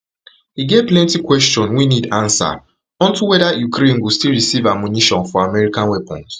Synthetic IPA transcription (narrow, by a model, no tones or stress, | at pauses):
hiɡevplɛ̃ntikwɛstɔ̃nwinidãnsa̰ | ɔ̃ntuwɛdajukɾẽnwustilɹisivamjuniʃɔ̃nfɔamɛɹikãnwɛpʰɔ̰̃nt